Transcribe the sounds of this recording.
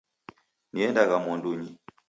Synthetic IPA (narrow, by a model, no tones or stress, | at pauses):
niɛndaɣamwɔnduɲi